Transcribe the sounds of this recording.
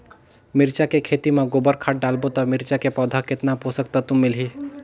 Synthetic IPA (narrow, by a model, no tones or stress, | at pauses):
mɪɾt͡ʃakekʰeːt̪imãɡobəɾkʰaːʈ̚ɖaːlbot̪amɪɾt͡ʃakepɔːd̪ʱakɪt̪naposəkt̪at̪ʊmːɪlɦiː